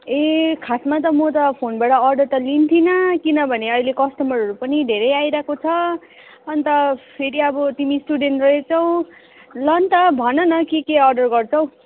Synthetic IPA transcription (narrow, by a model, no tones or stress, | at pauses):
ekʰasmat̪̬ʌmʌt̪ʌpʰonbaʈʌːrɖʌrt̪ʌlint̪ʰinʌkinʌbʱʌneʌjlekʌsʈʌmʌɾʌɾupʌnid̪ʱeɾʌjajɾʌakot͡sʰʌ | ʌnt̪ʌpʰeɾiʌbʌt̪imisʈuɖenʈrʌet͡sʰʌw̃ | lʌnt̪ʌbʱʌnʌnʌkikeʌrɖʌrɡʌrt͡sʰʌw̃